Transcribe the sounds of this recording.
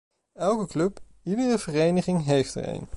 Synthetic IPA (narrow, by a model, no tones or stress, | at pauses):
ɛlˠkəklɵp | idərəv̥ərejnəχɪŋɦejftə̰rḛjn